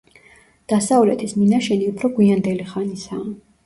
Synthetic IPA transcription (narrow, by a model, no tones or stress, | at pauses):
d̪̥asavlɛt̪ʰisminaʃɛniupʰɾɔɡwiand̪ɛliχanisaː